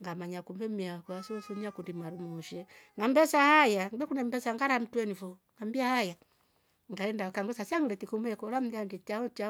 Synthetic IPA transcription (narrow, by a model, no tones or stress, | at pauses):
ŋɡamaɲakumbɛmiakuasɔsɔɲakundimaɾumuʃɛŋɡambɛsahajaŋbɛkunɛmbɛsaŋɡaɾam̩twɛnivɔŋɡambiahaja | ŋɡaɛndakaŋɡɔsasiaŋɡilɛtikumɛkɔlam̩danditaɔt͡ʃa